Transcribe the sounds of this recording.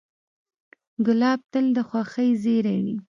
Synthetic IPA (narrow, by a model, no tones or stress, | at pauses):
ɡʊlɑb̚t̪əld̪əxwɑxəjzeɾaɳi